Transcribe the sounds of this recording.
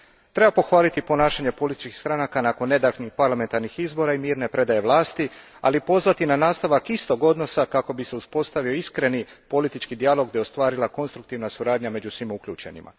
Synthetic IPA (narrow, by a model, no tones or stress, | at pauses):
t̪ɾe̞bapo̞xʋaːlit̪ipo̞naːʃaɲe̞po̞lit̪i̥t͡ʃkixst̪ɾanakanako̞nːe̞d̪aknixpaɾlˠame̞nt̪aɾnixizbo̞ɾaimiːɾne̞pɾe̞d̪aje̞ʋlˠaːst̪i | a̰lipo̞zʋat̪inanaːst̪aʋakist̪o̞ɡo̞d̪no̞sakako̞bise̞uspo̞st̪aʋio̞iskɾe̞nipo̞lit̪it͡ʃkid̪ialo̞ɡ̚d̪ejo̞st̪ʋaːɾilˠako̞nst̪ɾukt̪iʋnasuɾaːd̪ɲame̞d͡ʒusʋimukʎuːt͡ʃe̞nḭma̰